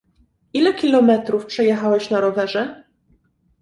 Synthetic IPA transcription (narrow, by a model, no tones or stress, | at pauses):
ʔilɛkʲilɔmɛt̪ɾufpʂɛjɛxawɛɕnaɾɔvɛʐɛ